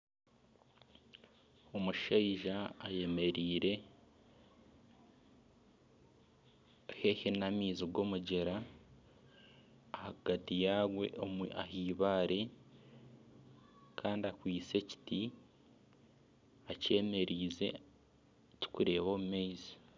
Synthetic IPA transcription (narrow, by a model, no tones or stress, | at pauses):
o̞muʃaiʒaːje̞me̞ɾiːɾe̞ | hehenamiːziɡo̞ːmuɟe̞ɾa | haɡ̥atijaːɡwe̞̰ʔomahiːβaːɾe̞ | kʰaːndiakwiːt͡se̞ci̥ti | aceːme̞ɾiːze̞̰ | ci̥kuɾe̞ːβoːmumeizi